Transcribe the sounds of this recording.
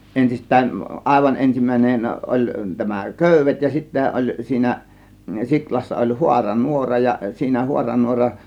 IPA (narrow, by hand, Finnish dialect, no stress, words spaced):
ensistˑæːn ʔɑˑe̝ʋɑn ensimˑæˑinen ʔolʲ tæmæ køˑyʋˑet jɑ sitːæ ʔolʲ siːnæ siklɑsːɑ olʲ huɑrɑ nuorɑ jɑ siːnæ huɑrɑnuorɑn